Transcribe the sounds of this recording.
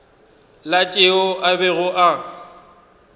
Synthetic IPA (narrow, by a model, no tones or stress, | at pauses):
lat͡ʃʼɪʊʔabɛɣʊʔa